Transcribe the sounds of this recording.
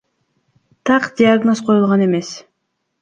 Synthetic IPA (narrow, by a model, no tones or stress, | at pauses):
t̪ʰɑqd̪ʲɪaɡno̞sqʰo̞julˠʁɑne̞me̞s